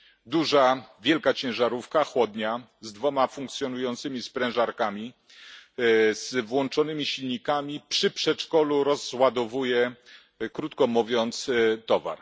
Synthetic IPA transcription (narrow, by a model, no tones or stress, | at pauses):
d̪uʐavʲjɛlkat͡ɕɛ̃w̃ʐaɾufkaxwɔd̪ɲa | zd̪vɔmafũŋkt̪sʲjɔnujɔnt̪sɘmʲispɾɛ̃w̃ʐaɾkamʲi | z̥vwɔnt͡ʂɔnɘmʲiɕilɲikamʲipʂɘpʂɛt͡ʂkɔluɾɔzːwad̪ɔvujɛ | kɾut̪kɔmuvʲjɔnt̪st̪ɔva̰ɾ